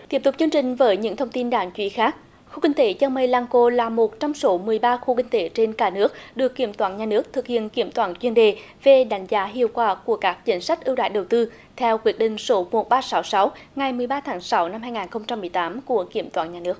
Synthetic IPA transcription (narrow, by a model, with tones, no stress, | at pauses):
t̪i˦˥p̚t̪ʊ˨˩k͡p̚t͡ɕɨ˧əŋt͡ɕï˨˩ŋ̟vəː˨˦jɲɨ̰˧˥ŋt̪ʰə˧wŋ͡mt̪i˧nɗaː˧˩ŋt͡ɕwḭ˧˨˦xaː˦˥k̚ | xu˧kï˧ŋ̟t̪e˨˦t͡ɕaː˧ŋmə˧˩jlaː˧ŋko˧laː˨˩mo˨˩t̚t͡ɕɔ˧wŋ͡mso˨˦mɨ˨˩əjɓaː˧xu˧kï˧ŋ̟t̪e˨˦t͡ɕe˧nkaː˧˩nɨ˦˥ək̚ɗɨ˨˩əkːi˧˩əmt̪waː˧˩nɲaː˨˩nɨ˦˥ək̚t̪ʰɨ˨˩k̚hḭ˧˨ənki˧˩əmt̪waː˧˩nt͡ɕwi˧ənɗe˨˩ | ve˨˩ɗa˨˦jŋ̟zaː˨˦ɦḭ˧˨əwkwaː˧˩ku˧˩əkaː˦˥k̚t͡ɕï˨˦ŋ̟sa˦˥jk̟̚ʔɨ˧wɗa̰ː˧˨jɗə˨˩wt̪ɨ˧ | t̪ʰɛ˧wkwi˨˦˥ət̚ɗï˧˨ŋ̟so˨˦mo˨˩t̚ɓaː˧sa˨˦wsa˨˦wŋa˨˩jmɨ˨˩əjɓaː˧t̪ʰaː˨˦ŋsa˨˦wna˧mɦaː˧jŋaː˨˩nxə˧wŋ͡mt͡ɕa˧mːɨ˨˩əjt̪aː˨˦mku˧˩əki˧˩əmt̪waː˧˩nɲaː˨˩nɨ˦˥ək̚